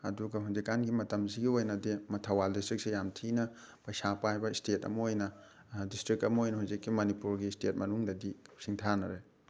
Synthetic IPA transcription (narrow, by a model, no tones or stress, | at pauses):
ɐ̰duɡɐɦuzikːanɡimɐtɐmziɡiojnɐdimɐtʰɐwaldistɾik̚sejamtʰinɐ | pɐjsapaɦajbɐistetɐ̰mɐojnɐ | distɾik̚ɐmɐojnɐhuzikːimɐnipuɾɡistet̚mɐnuŋdɐdisiŋtʰanɐɾe